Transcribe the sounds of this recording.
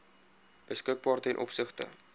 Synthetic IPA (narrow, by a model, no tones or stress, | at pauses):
b̥əskək̚bɑːrtəɛnʔɔ̰psəχtə̰